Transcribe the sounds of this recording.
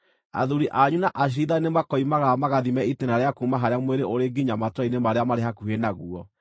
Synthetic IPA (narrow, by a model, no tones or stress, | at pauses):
a̰ðuɾiʔaɲunaʔaɕ̬iðainemakɔimaɣamaɣaðimɛitenaɾeakuːmaɦaɾeamweɾeʔoɾeɡiɲamatwainemaɾeamaɾɛɦakuenaɣuɔ